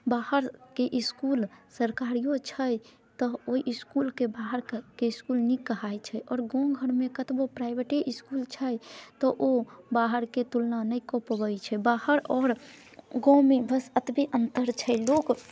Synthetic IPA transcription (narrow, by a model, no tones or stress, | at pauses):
bahəɾkeʔiskulsəɾkaɾijot͡ʃʰəj | t̪ɔoiʔiskulkebaɦəɾkeiskulnikəɦajt͡ʃʰəjʔɔːɾɡõɡʱəɾmekət̪bopɾajbeʈeʔiskult͡ʃʰəjt̪ɔʔobaɦəɾket̪ulnanəkɔpbəjt͡ʃʰɛbahəɾɔːɾ | ɡɔ̃mebəsət̪bʱeʔənt̪əɾt͡ʃʰəjlok